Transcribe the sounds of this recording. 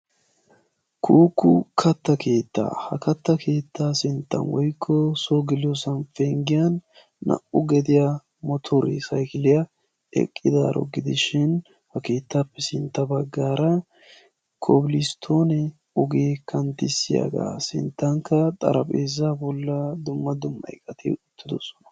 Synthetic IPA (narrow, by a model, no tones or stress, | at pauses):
kʰuːkːʊkʰɐt̪ːɐkʰe̞ːt̪ːa̰ːhɐkɐt̪ːɐkʰe̞ːt̪ːaːsɪnt̪ːɐ̰nwɔjkʰːɔsoːɡɪlosɐnfeːŋɡɪjɐnː | ɐ̰ʔʊɡɛd̪ɪja | mɔt̪ʰɔɾɛ̰sɐjkɪlɪjɐ | ɛ̰kʼːɪd̪a̰ːɾɔ̰ɡɪd̪ɪʃɪn | hɐke̞ːt̪ːaːpːɛsɪnt̪ːɐbɐɡːaːɾɐ | kʰobɪlɪst̪ʰoːnɛ | ʊɡeːkʰɐnt̪ɪsːɪja̰ɡa̰ːsɪ̰nt̪ːɐŋkːɐt̪ʼɐ̰ɾɐpʼeːzːaːbɔlːɐd̪ʊmːɐd̪ʊmːɐ̰ɪkʼːɐt̪ʰḛːʊt̪ːɪd̪ɔsɔ̥nɐ̥